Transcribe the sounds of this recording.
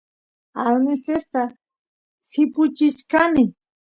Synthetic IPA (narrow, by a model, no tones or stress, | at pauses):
almesest̪a | sɪpʊt͡ʃɪʃkanɪ